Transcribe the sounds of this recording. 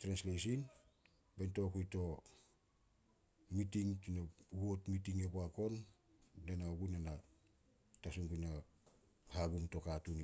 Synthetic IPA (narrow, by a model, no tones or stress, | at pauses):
tɾenslesin | bento̞kujto̞ | mitiŋtinaɡuotmitiŋeboako̞nː | enaɡunena | tasuŋɡuna | haɡumto̞katun